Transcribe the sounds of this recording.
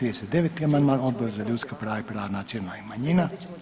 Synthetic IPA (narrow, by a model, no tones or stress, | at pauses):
ɾid̪eset̪̚d̪e̞ʋet̪iamand̪maːno̞d̪boɾzaʎuːt̪skapɾaːʋaipɾaːʋanat̪sjionaimaɲina